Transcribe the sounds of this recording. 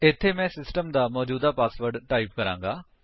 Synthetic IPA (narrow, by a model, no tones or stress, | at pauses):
ɪt̪ʰːeːmɛ̃ːsɪsʈəmd̪aːmɔːd͡ʒuːd̪aːpaːsʋəɾɖʈaːiːp̚kəɾã̰ːŋɡaː